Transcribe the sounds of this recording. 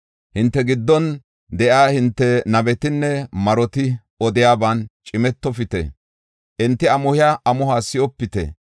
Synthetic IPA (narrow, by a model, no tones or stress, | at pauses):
hɪnt̪ːɛɡɪd̪ːɔn | d̪ɛʔaːhɪnt̪ːɛnɐbɛt̪ɪnːɛmɐɾɔt̪ɪ | ɔd̪ɪjaːbaːnt͡ʃʼɪmɛt̪ːɔfɪt̪ɛ̰ | ʔɪnt̪ːɪɐmʊhɪjaʔɐmʊhaːsɪʔɔpːɪt̪ɛ̰